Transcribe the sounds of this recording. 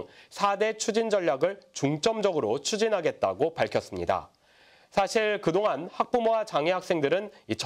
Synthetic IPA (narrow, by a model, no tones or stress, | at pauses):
sʰade̞t͡ɕʰud͡ʑind͡ʑʌʎːaɡɯɭt͡ɕuŋt͡ɕ͈ʌmd͡ʑʌɡɯɾot͡ɕʰud͡ʑinɦaɡe̞t̚t͈aɡopaɭkʰjʌs͈ɯmɲida̰ | sʰaɕʰiɭkɯdoŋanhak̚p͈umoat͡ɕaŋeɦak̚s͈e̞ŋdɯɾɯnit͡ɕʰ